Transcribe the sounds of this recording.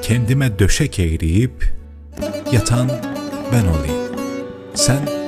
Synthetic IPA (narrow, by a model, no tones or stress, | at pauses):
cʰɛnd̪imɛd̪øʃɛcʰejɾijip | jat̪ʰanbɛnolˠḭ | sæn